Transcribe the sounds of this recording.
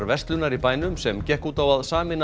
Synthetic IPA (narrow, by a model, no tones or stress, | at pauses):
ɾvɛrst̪lʏnaɾipaːjnʏmsɛmcɛhkuːt̪awaðsaːmɪnː